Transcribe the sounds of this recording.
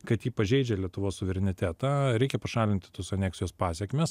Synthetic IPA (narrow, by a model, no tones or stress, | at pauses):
kɐt̪jiːpɐʒʲɛɪd͡ʒʲɛlʲiɛt̪ʊʋoːssʊʋʲɛɾʲɛnʲɪt̪ʲæːt̪ɑːɾʲɛɪkʲɛpɐʃɑːlʲɪnʲt̪ʲɪ̥t̪oːsɐnʲæːksʲɪjoːspɑːsʲɛkmʲɛs